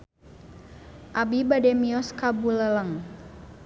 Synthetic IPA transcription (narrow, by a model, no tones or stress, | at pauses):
ʔabibadɛmiɔskabulələŋ